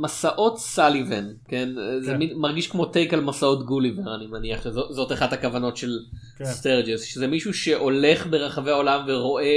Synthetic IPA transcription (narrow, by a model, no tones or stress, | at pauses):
masaʔo̞tsalivenkenzemimaʁɡiʃkmo̞tejkalmasao̞tɡuliveʁanimeniaχʃezozo̞taχadhakavano̞tʃe̞l | steʁd͡ʒezʃezemiʃuʃe̞ʔo̞le̞χbe̞ʁaχaveaolamveʁo̞ʔe